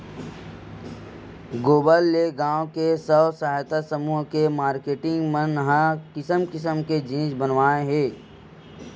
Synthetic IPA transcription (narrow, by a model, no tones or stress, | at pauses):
ɡoːbəlːeɡãːõkesəʋsaɦajt̪asəmuːɦkemaːɾkeːʈɪ̃ŋɡmə̃nəɦãkɪsəmkɪsəmked͡ʒĩːd͡ʒbənʋaːeɦɛː